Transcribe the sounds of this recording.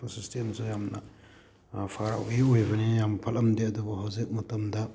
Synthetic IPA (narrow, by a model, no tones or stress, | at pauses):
pɐɾsistensujamnɐ̰ | pʰaɾa̰wɡeojbɐnijampʰɐlɐmdeɐdubɐɦawzik̚mɐtɐmdɐ